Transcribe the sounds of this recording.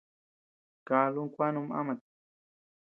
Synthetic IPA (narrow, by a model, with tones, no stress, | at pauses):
ka˨lʊ˦ŋkʷwa˦nʊma̰mat̪